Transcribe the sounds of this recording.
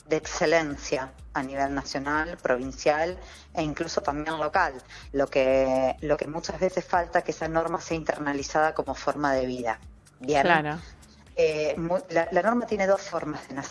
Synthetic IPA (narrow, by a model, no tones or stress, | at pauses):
d̪eːkselensjaːniβe̞lnasjo̞nalpɾo̞β̞insjal | eiŋkluso̞t̪ambje̞nlo̞kalːo̞keloke̞mut͡ʃazβesesfalt̪aekeesano̞ɾmaseaint̪eɾnalisað̞ako̞mo̞fo̞ɾmaðe̞β̞iða | bjenɾ | emulalano̞ɾmat̪jene̞ðo̞sfo̞ɾmazðenas